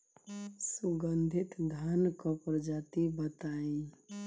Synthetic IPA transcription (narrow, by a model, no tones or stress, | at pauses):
suɡənd̪ʱit̪d̪ʱankɔpɾəd͡ʒat̪ibət̪aĩ